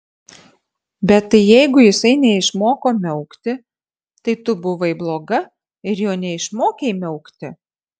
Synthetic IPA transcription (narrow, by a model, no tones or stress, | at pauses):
bʲɛt̪tɐɪjɛɪɡʊjɪsɐɪnʲɛɪʃmoːkoːmʲɛʊkt̪ʲɪ | t̪ɐɪt̪ʊbʊʋɐɪblˠoːɡɐ | ɪɾjoːnʲɛɪʃmoːkʲeɪmʲɛʊkt̪ʲɪ